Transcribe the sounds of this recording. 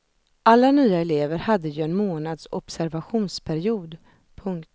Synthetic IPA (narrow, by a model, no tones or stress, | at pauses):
ʔalːanyːaɛleːvəɾhad̪ːəjɵɛnmoːnad̪sɔpsæɾvaɧuːnspʰæɾɪuːd̪ | pʰɵŋk̪